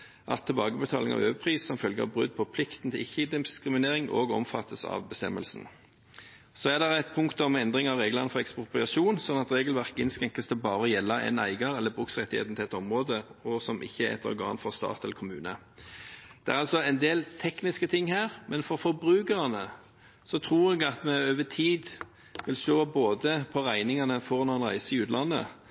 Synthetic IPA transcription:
ʔɑ̰t̪ʰːɛlbɑːɡəbət̪ʰɑːlɪ̰ŋɑ̰ʋøːʋəpʰʁiːssɔmfœlɡəɑ̰bʁʉ̰d̪̚pʰɔpʰlɪkt̪n̩t̪ʰɪlɪçːəd̪ɪskɾɪmɪneːɾɪŋʔo̰ːɡɔ̰mfɑt̪ʰːəsɑ̰ʋbəst̪ɛmːəlsn̩ | soːæd̪ɛʁæɪt̪̚pʰʊŋkt̪ɔmɛnd̪ʁɪŋɑʋʁeːɡlɑnəfɔʁɛkspʊʁplɑʃuːnsɔnːɑt̪ʁeːɡəlʋæʁkɪnskɛŋkəst̪ʰəbɑːʁəjɛlːɑɛ̰næɪɡɑɾɛlːəbʁʉksʁɛt̪ːɪhḛːt̪n̩t̪ʰɛɛt̪ːɔmʁoːd̪əɔsɔmʔɪ̰çːəɛ̰t̪ʰɔ̰ɾɡɑ̰ːnfɔʁst̪ɑ̰ːt̪ɛlːəɾkʰʊmʉ̰ːnə | d̪̥ɛæɾɑlsɔɛɪnd̪eːlt̪ʰɛknɪskət̪ʰɪŋːhæːʁmʔɛnfɔɾfɔbɾʉːkəʁɑnə | sɔt̪ʰʁuːɾɛɡɑt̪mɛøːʋət̪ʰiːd̪ | ʋɪlst̪oːboːd̪əpʰɔʁæɪnɪŋɑnəfɔʁnɔɛnʁæ̰ɪsəɪʉːt̪lɑnːə̰

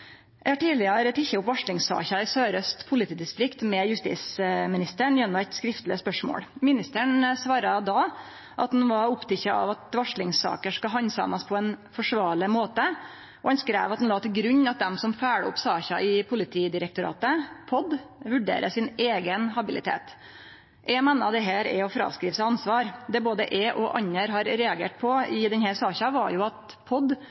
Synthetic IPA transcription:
ʔɛɪhɑʈiːlɪɑɾət̪ʰɪçːəʊpʋɑʂlɪŋsɑ̰ːçɑɪsøːɾœst̪pʰʊlɪt̪ʰiːd̪ɪst̪ɾɪkt̪mɛjʉst̪ḭːsmɪnɪst̪əɳjɛnːʊɛt̪skɾɪft̪lɪəspœʂmo̰ːlmɪnɪst̪əɳsʋɑːɾɑd̪ɑ | ʔɑ̰t̪̚d̪ɛnʋɑɾʊpt̪ʰɪçːɑʔɑ̰ʋɑt̪ʋɑʂɭɪŋsɑ̰ːkəʂkɑɦɑnsɑ̰mɑspʰɔɛnfɔʂʋɑːɭɪmoːt̪ə | ʔɔɛnskɾḛːʋɑt̪d̪nlɑːt̪ɪlɡɾʉɲːɑt̪̚d̪ɛmsɔmfæːɽə̰ʊ̰psɑːçɑʔɪpʰʊlɪt̪ʰiːd̪ɪɾɛk̚t̪ʊɾɑ̰ːt̪əpʰɔd̪ʋʉɖḛːɾʔəsɪneːɡənhɑbɪlɪ̰t̪ʰḛːt̪ | ʔɛmɛnːɑd̪ɛɦæːɾɛ̰ɔfɾɑ̰ːʋskɾiːʋəsæɑnsʋɑːɾd̪ɛboːd̪ə̰ʔɛʔɔʔɑ̰ɲːəɾɦɑɾɾɛɑɡḛːʈ̚pʰɔɪd̪ɛnhæːɾsɑːçɑʋɑ̰ɾjʊɑt̪ | pʰɔd̪

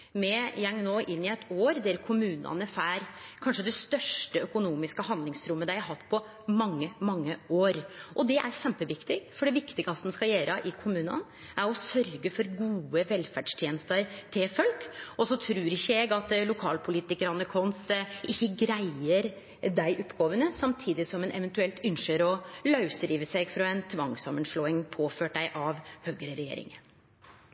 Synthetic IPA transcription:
mɛjɛŋnoːʔɪnːɪɛt̪ʰoːɾd̪æɾkʰʊmʉːnɑ̰nəfæːɾkʰɑnʂəd̪ɛst̪œʂʈəœkʊnuːmɪskəhɑnd̪lɪŋsɾʊmːəd̪æɪhæɾɦɑt̪ːpʰɔ | mɑŋːəmɑŋːəoːɾʔɔd̪ɛʔæɾɕɛmpəʋɪkt̪ɪɡfɔɖɛʋɪkt̪ɪɡəɑsd̪nskɑjeːɾəʔɪkʰʊmʉːnɑ̰n | ʔæɾɔsœɾɡəfɔɾɡuːəʋɛlfæɖʂt̪ʰjeːnəst̪əɾt̪ʰɪlfœlkɔsɔt̪ʰɾʉːɾɪçəɛɡɑt̪lʊkʰɑːlpʰʊliːt̪ɪkəɾɑnːəkʰɔnsʔɪçːəɡɾæɪəɾ | d̪æɪʔʊpːɡoːʋənəsɑmt̪ʰiːd̪ɪsɔmɛnʔɛ̰ʋɛnt̪ʉɛlt̪ʏnʃəɾɔlɑʉsɾiːʋəsæɪɡfɾɑɛnt̪ʰʋɑŋsɑmːənʂɭoːɪŋpʰoːføːʈdæɪʔɑʋhøːɡəɾəɾɛjḛːɾɪ̰ŋə

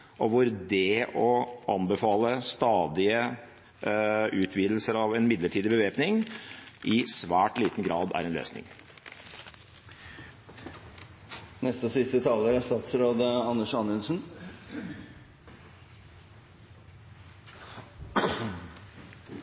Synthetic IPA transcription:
ʔɔʋʊɾd̪ɛɔʔɑnbəfɑːləst̪ɑːd̪ɪə | ʉːt̪ʰʋiːd̪l̩səɾɑʋɛnmɪd̪ləʈʰiːd̪ɪbəʋeːpnɪŋʔɪsʋæːʈliːt̪n̩ɡɾɑːd̪æ̰ɾɛnlø̰ːsnɪ̰ŋ | nɛst̪əsɪst̪ət̪ʰɑːləɾəst̪ɑːt̪sɾoːd̪əɑnːəʂɑnːʉnsn

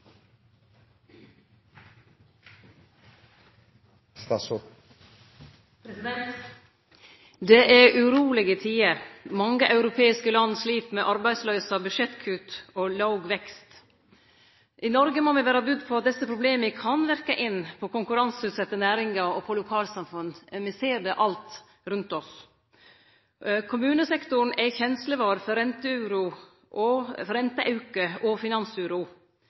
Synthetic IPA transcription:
st̪ɑs | pɾɛsɪd̪ɛnt̪ | d̪eʔæɾʔʉɾuːlɪɡət̪ʰiːəɾmɑŋɡəʔɑʉɾʊpʰeːɪskəlɑnːsliːpmɛʔɑɾbæɪsløʏsɑbʉʃɛt̪kʰʉːt̪oːlɑʊɡʋɛkst̪ | ʔɪnɔɾɡəmɔmɪʋæːɾɑbʉd̪pʰɔɑt̪̚d̪ɛsːəpʰɾʊbleːmɪkʰɑnʋæɾkəʔɪnːpʰɔkʊŋkʉɾɑnsʉːt̪sɛt̪ːənæːɾɪŋɡɑɔpʰɔlʊkʰɑːlsɑmfʉnːmɪseːɖɛʔɑlt̪ | ɾʉnt̪ɔs | kʰʊmʉːnəsɛkt̪ʊn̩æçɛnsləʋɑːɾfɔɾɛnt̪əʉːɾu | ʔɔfɾɛnt̪əʔɑʉkəʔɔfɪnɑnsʉːɾʊ

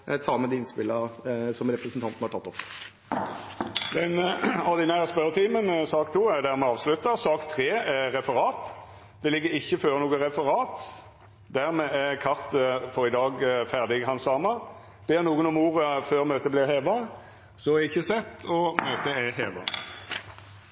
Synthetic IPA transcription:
t̪ʰɑːmɛd̪ɛɪnspɪlːəəsɔmɾɛpɾəsənt̪ʰɑnt̪nhɑʈʰɑt̪ːɔp | dɛnɔʁd̪ɪnæːʁəspœɾət̪ʰiːmənsɑːkt̪ʰuːæʁd̪æʁmɛɑːʋslʉt̪ːəʁsɑːkt̪ʰʁeːæʁɛfəʁɑːt̪ | d̪̥ɛlɪɡːəɾɪçːəføːʁnuːɡəʁɛfəʁɑːt̪ | d̪æʁmɛːækʰɑʁt̪əfɔʁɪd̪ɑːɡfæʁd̪ɪɡhɑnsɑːmɑ | b̥eːʁnuːɡənɔmuːʁəføːʁmøːt̪əblɪʁheːʋɑ | sɔɛɪçːəsɛt̪ːɔmøːt̪əæheːʋɑ̰

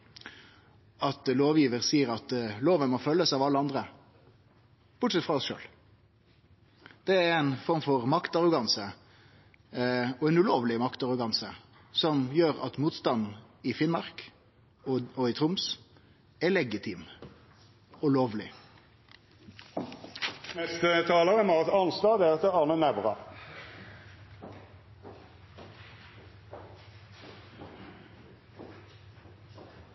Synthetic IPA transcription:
ɑt̪loːʋjiːʋəɾsiːəɾɑt̪loːʋənmɔfœlːəsɑːʋɑlːəɑnd̪ɾə | b̥ʊʈʂsɛt̪fɾɑɔsʃø̰ːl | d̪̥ɛæɛɾænfɔɾmfɔʁmɑkt̪ɑʁʊɡɑnsə | ɔɛnʉloːʋlɪmɑkt̪ɑɾʊɡɑnsə | sɔmjøːɾɑ̰t̪muːt̪st̪ɑnː | ɪfɪnmɑʁk | ɔɪt̪ʰɾʊms | ɛlɛɡɪt̪ʰɪm | ɔloːʋlɪ | nɛst̪ət̪ʰɑːləʁəmɑʁt̪ɑnslɑːd̪ɛʁɛt̪əɑːnənæʋʁɑ̰

